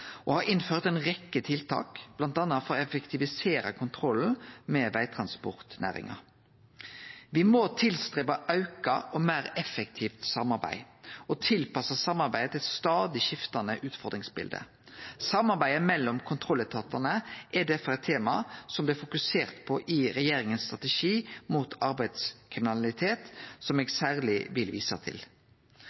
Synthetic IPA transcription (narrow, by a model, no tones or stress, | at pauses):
ʔɔhɑɾɪnføːʁt̪ɛɪnʁɛkːət̪ʰɪlt̪ʰɑ̰ːkb̥lɑnt̪ɑnːɑfɔɾɔɛfɛkt̪ʰɪʋɪseːɾɑkʰʊnt̪ʰɾɔln̩mɛʋæɪt̪ʰɾɑnspɔ̰ʁt̪næ̰ːʁɪ̰ŋɑ̰ | ʋɪmot̪ʰɪlst̪ɾeːbɑʔɑʉkɑʔɔmæːɾɛfɛkt̪ʰiːft̪sɑmːɑɾbæ̰ɪɔt̪ʰɪlpɑsəsɑmːɑɾbæɪd̪ət̪ʰɪɛt̪st̪ɑːd̪ɪʃɪft̪ɑnəʔʉːt̪fɔʁd̪ɾɪŋsbɪ̰ld̪ə̰ | sɑmːɑʁbæɪəmɛlːɔmkʰʊnt̪ʰɾɔlːət̪ʰɑt̪ɑnəʔɛd̪æfəʁɛt̪ʰːeːmɑsɔmblɪːfʊkʉseːʁt̪pʰɔʔɪɾɛjeːɾɪŋənst̪ʁɑt̪əʃiːmuːt̪ʰɑʁbæɪd̪skʰʁɪmɪnɑlɪt̪ʰeːt̪sɔmɛːɡsæːʁlɪʋɪlʋiːsɑ̰t̪ʰɪ̰l